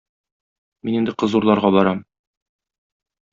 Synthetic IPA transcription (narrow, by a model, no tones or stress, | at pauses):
minind̪ɘqɤ̆zuɾlˠɑɾʁɑbɒɾɑm